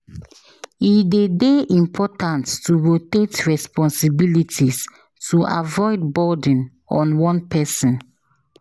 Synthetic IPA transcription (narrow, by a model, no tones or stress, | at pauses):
idedeʔĩmpʰɔtãnttuɹotetɹɛspɔ̃nsibilitʰis | tuʔa̰vɔɪdbɔdĩn | ɔ̃nwɔ̃npʰɛsɔ̃n